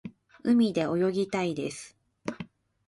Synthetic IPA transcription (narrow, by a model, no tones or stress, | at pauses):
ɯ̟mʲid̪e̞o̞jo̞ɡʲit̪aid̪e̞̰sɨ̥